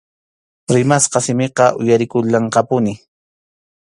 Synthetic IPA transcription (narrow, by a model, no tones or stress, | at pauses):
ɾɪmasqɑsɪmɪqɑʔʊjaɾɪkʊʎːɑɴqɑpʊnɪ